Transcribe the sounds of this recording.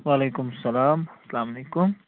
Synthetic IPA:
waːlekumsɐlaːmsɐlaːmalekum

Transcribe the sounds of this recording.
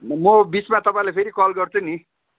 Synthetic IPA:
mʌbit͡smat̪ʌpaĩlapʰeɾikɔlɡʌrt͡sʰuni

